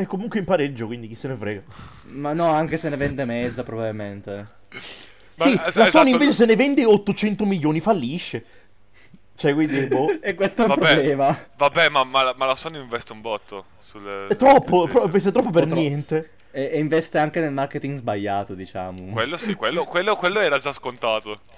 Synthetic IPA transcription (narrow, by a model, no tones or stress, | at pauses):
ɛkːomuŋkweimpaɾed͡ʒːokwind̪ik̟isːenefɾɛːɡa | manːɔaŋk̟esenːevɛnd̪emɛd̪zapɾobavilment̪e | ssislasɔnːiveːt͡ʃesenːevɛnd̪eot̪ːot͡ʃɛnt̪omiʎːoːnifalːiʃːe | t͡ʃɛkwind̪ioekːwest̪oɛpɾoblɛːmavabɛmamalamalasɔnoiɱvɛst̪eumbɔt̪ːo | sult̪ɾɔpːopɾɔvɛst̪et̪ɾɔpːopernnjɛnt̪e | ɛiɱvɛst̪eaŋk̟enelmarket̪iŋɡzbaʎːaːt̪od̪it͡ʃa̰ːmokwelːoskwelːokwelːokwelːoɛːɾad͡ʒaskont̪aːt̪o